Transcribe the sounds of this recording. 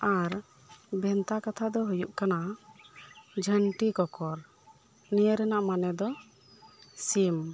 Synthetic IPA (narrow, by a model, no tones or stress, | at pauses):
aɾ | bʱɛnt̪akat̪ʰad̪ɔɦujuʔkana | d͡ʒʱəɳʈikɔkɔɾ | nijəɾɛnaʔmanɛd̪ɔ | sim